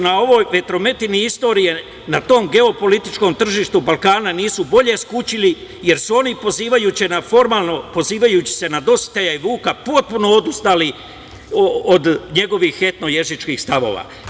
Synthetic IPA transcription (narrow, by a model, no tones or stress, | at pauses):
nao̞ʋo̞ːjʋe̞t̪ɾo̞me̞t̪iniist̪o̞ːɾije̞ | nat̪o̞ːmɡe̞o̞po̞lit̪it͡ʃko̞ːmt̪r̩ʒiːʃt̪ubalkaːnaniːsubo̞ʎe̞skut͡ɕilije̞ɾsuo̞nipo̞ziːʋajuːt͡ɕinafo̞ɾmaːlˠno̞po̞ziːʋajut͡ɕi̥se̞nad̪o̞si̥t̪e̞ʎaiʋuːkapo̞t̪̚puno̞od̪ust̪aːli | od̪ɲe̞ɡo̞ʋixːe̞t̪no̞je̞ʒit͡ʃkiːxst̪aʋo̞̰ːʋa̰ː